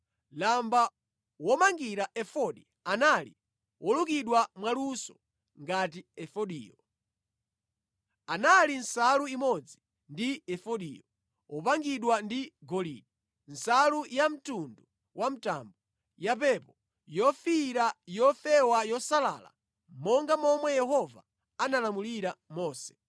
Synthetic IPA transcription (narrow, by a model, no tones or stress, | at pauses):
lamba | wɔmaŋɡiɾaʔɛfɔɗi | analḭ | wʔɔlukiɗwamwalusɔ̥ | ŋɡat̬iɛfɔɗḭːjɔ | analinsaluimɔd͡zi | ndiɛfɔɗḭːjɔ | ɔpaŋɡiɗwandiɡɔlḭːɗi | n̩salujam̩tundu | wʔam̩ta̰ːmbɔ | japɛpɔ | jɔfiɾajɔfɛwajɔsala̰la̰ | mɔŋɡamɔmwɛjɛhɔva̰ | analamuliɾamɔːsɛ̥